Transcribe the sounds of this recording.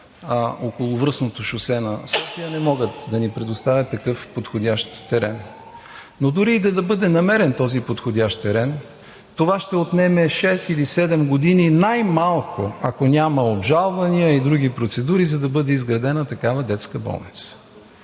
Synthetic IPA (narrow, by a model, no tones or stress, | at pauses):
əokolˠʊvɾɤsnot̪oʃʊsɛnɐsɔfijənɛmɔɡət̪d̪ɐnipɾɛd̪ost̪avʲɐt̪ːɐkɤfpot̪xodʲaʃt̪ːɛɾɛ̰nː | od̪uɾiːd̪ɐd̪ɐbɤd̪ɛnɐmɛɾɛnt̪ɔzipot̪xodʲaʃt̪t̪ɛɾɛn | t̪ovaʃt̪ɛot̪nɛmɛʃɛst̪ilisɛd̪ɛmɡod̪ininajmalˠkoɐkonʲaməobʒalˠvɐniəid̪ɾuɡipɾot̪sɛd̪uɾizɐd̪ɐbɤd̪ɛizɡɾɐd̪ɛnət̪ɐkavəd̪ɛt̪skəbɔ̰lˠnit̪sə̥